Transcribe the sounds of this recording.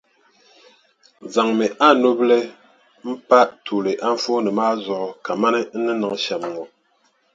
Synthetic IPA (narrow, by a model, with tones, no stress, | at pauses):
za˨ŋmɛ˨ʔa˦˨no˦blɛ˦ | m̩˦pa˦ʔtʰu˨le˨ʔa˦ɱ˦fo˦nɨ˨maː˦zɔ˨ʔɔ˨ka˨ma˦nɛ˦n̩˦nɨ˦nɨ˨ŋʃa˨mŋɔ˨